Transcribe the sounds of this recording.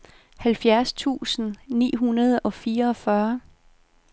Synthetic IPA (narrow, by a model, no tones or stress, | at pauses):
hælfjæɐst͡sʰṵːsn̩nḭːɦunɐð̞ˠɒ̽fiːɐːfɶɐ